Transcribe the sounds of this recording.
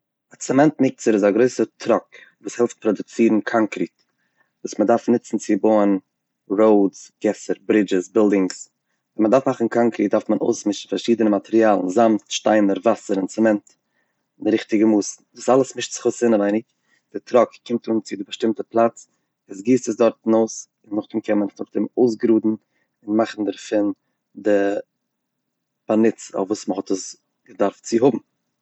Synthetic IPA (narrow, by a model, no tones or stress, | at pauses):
at͡sɛmɛntmɪk̚t͡səɾɪzaɡɾoɪsətʰɾɔk | vuːshɛlˠft̚pɾɔdʊt͡siːɾn̩kʰaŋkɾiːt | vuːsmədaɾfnɪt͡sn̩t͡sɪboːən | ɾoʊdsɡ̥ɛsəɾbɾɪd͡ʒɪsbɪlˠdɪŋs | vɛnmədaɾfmaχn̩kaŋkɾiːt̚daɾftməno̰ʊsmɪʃn̩faɾʃiːdənəmatɛɾiaːlˠn̩zamtʃtaɪnəɾvasəɾɪnt͡sɛmɛnt | ɪndɪɾɪχtɪɡəmuːsn̩vuːsalˠəsmɪʃtt͡sɪ̥χʊsɪnəvaɪnɪk | d̥ɪtɾɔkkɪmtuːnt͡sɪdɪbəʃtɪmtəplˠat͡s | ɪsɡiːstəs̬dɔɾtn̩oʊs | ɪnːʊχdɪmkʰɛnmənɪχnʊχdɪmoʊs̬ɡɾuːdn̩ | ɪnmaχn̩dəɾfɪn | dɪ | panɪt͡sɔ̰fvuːsməhɔtəs | ɡədaɾft͡sɪɦʊbm̩